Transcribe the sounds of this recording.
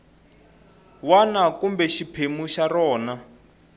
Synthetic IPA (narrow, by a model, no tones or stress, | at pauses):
wanakumbɛʃipʰemuʃarɔːna